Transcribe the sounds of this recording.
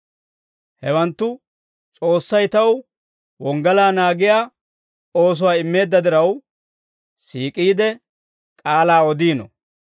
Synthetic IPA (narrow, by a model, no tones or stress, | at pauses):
hɛwɐnt̪ːʊ | t͡sʼo̞ːsːɐjt̪ɐw | wɔŋɡɐlaːnaːɡɪjaː | o̞ːs̬ʊwaːɪmːe̞ːd̪ːɐd̪ɪɾɐw | siːkʼiːd̪ɛ | kʼaːlaːɔd̪iːnɔ̰